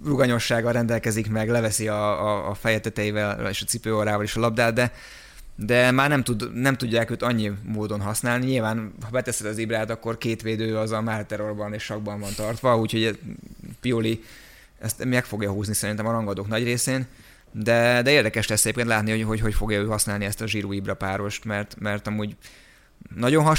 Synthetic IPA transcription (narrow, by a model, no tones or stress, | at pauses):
ruɡɒɲo̞ʃːaːɡɒɾɛnd̪ɛlkɛzikmɛɡlɛvɛsiɒːfɛjɛt̪ɛt̪ɛivɛlḛːʃɒt̪sipøːoɾaːvɒleʃɒlɒb̚d̪aːd̪d̪ɛ | d̪ɛmaːrnɛmt̪ud̪nɛmt̪uɟːaːkøːt̪ɒɲːimoːd̪o̞nɦɒsnaːlniɲilvaːnhɒbɛt̪ɛsɛd̪ɒzibɾaːt̪ɒkːo̞rkeːt̪ʋeːd̪øːɒzɒmalt̪ɛɾorbɒneːʃʃɒɡ̚bɒɱvɒnt̪ɒrt̪ʋɒuːcʰho̞ɟɛpioli | ɛ̰st̪mɛkfo̞ɡjɒɦuːznisɛɾint̪ɛmɒɾɒŋɡɒd̪oːknɒɟreːseːn | d̪ɛd̪ɛeːrd̪ɛkɛʃlɛsːɛɟeːpkent̪laːt̪nioɦocɦo̞cfo̞ɡjɒøːɦɒsnaːliɛst̪ɒʒiɾoːibrɒpaːɾo̞ʃt̪mɛrt̪mɛrt̪ɒmuːɟ | nɒɟo̞nɦɒ